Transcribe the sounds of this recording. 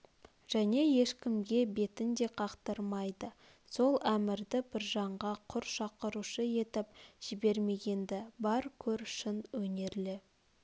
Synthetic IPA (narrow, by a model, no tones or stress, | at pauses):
ʒ̥æne̞je̞ʃkʲɪmɡʲe̞be̞t̪ɪnd̪e̞qʰɑqt̪əɾmɑjd̪ə | so̞lˠæmɪɾd̪ɪbɪɾʒɑɴʁɑqʰʊɾʃɑqəɾuʃəje̞t̪ɪp̚ʒ̥ɪbe̞ɾme̞ɡʲe̞nd̪ɪbɑɾkʲʰɵɾʃɪnwɵne̞ɾlɪ